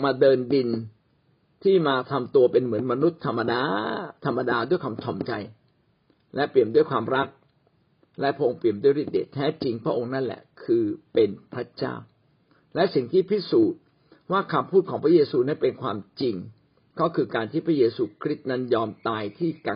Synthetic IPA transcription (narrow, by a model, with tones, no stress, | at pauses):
maː˧dɤː˧ndi˧n | t̪ʰiː˥˩maː˧t̪ʰa˧mt̪u˧ɐpe˧nmɯ˩˦ənma˧nu˦˥t̪ʰːa˧mːa˧daː˧t̪ʰa˧mːa˧daː˧du˥˩əjkʰaː˧mt͡ɕʰɔ˨˩mt͡ɕa˧j | lɛ˦˥pli˨˩əmdu˥˩əjkʰwaː˧mɾa˦˥k̚ | lɛ˦˥ʔpʰɾa˦˥ʔo˧ŋpli˨˩əmdu˥˩əjɾiː˥˩t̪̚dḛ˨˩t̪ʰːɛː˦˥t͡ɕi˧ŋpʰɾa˦ʔo˧ŋna˥˩nlɛ̰˨˩kʰɯː˧pe˧npʰɾa˦˥t͡ɕa̰ː˥˩w | lɛ˦˥si˨˩ŋt̪ʰiː˥˩pʰi˦˥suː˨˩t̪̚ | waː˥˩kʰa˧mpʰuː˥˩t̪̚ʰɔː˩˦ŋpʰɾa˦˥jeː˧suː˧na˦˥npe˧nkʰwaː˧mt͡ɕi˧ŋ | kɔ˦˥˩kʰɯː˧kaː˧nt̪ʰiː˥˩pʰɾa˦˥jeː˧suː˧kʰɾi˦˥t̪̚na˦˥njɔː˧mt̪aː˧jt̪ʰiː˥˩ka˧˩